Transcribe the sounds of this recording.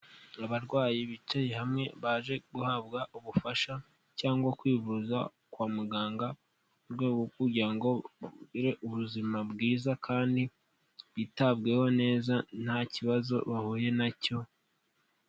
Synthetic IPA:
aβaɾɡwaːjiβit͡ʃajehamŋe̞βaːʒe̞ɡuhab̚ɡaʔuβufaʃa | caːŋɡwakwiːvuza | kwaːmuɡaːŋɡa | uɾɡwe̞ːɡokuɾɟiɾaŋɡo̞iɾeʔuβuzimabɡiːzakʰaːndi | βitab̚ɡe̞ho̞ne̞ːzan̥haciβazo̞βahuːje̞naco̞

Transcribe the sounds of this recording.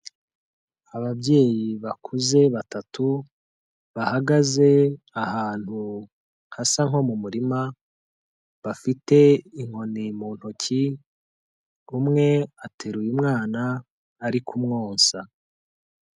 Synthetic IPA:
aβabɟe̞ːjiβakʰuze̞βatatu | βahaɡaze̞ | ahaːn̥hu | ŋhasaŋɦo̞mumuɾima | βafite̞iŋ̥o̞nimuːn̥hucʰi | umŋe̞atʰeɾujumŋaːnaː | ɾikʰumŋoːnsa

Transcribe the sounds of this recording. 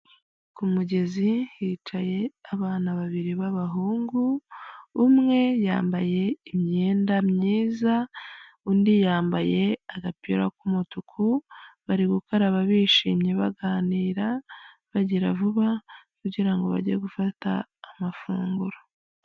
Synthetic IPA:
kumuɟe̞zihiːt͡ʃaje̞aβaːnaβaβiɾiβaβaɦuːŋɡuː | mŋe̞jaːmbaje̞imɲe̞ːndamɲiːza | undijaːmbaje̞aɡapiɾakumutukʰuβaɾiɡukaɾaβaβiːʃiːmɲeβaɡaːniːɾa | βaɟiɾavuβakuɟiɾaŋɡo̞βa̰ɟeɡufata̰ːmafṵːŋɡuɾo

